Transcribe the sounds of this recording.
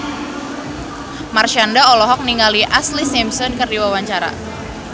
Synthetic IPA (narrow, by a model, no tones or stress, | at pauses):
marʃandaɔlɔɦɔk̚niŋaliʔaslisemsɔnkɨrdiwawaɲt͡ʃaɾa̰